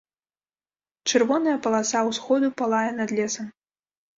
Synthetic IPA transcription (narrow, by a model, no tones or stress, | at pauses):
t͡ʂɨrvɔnɐjɐpɐlˠasawsxɔd̪upalˠajɛnɐd̪lʲɛsɐm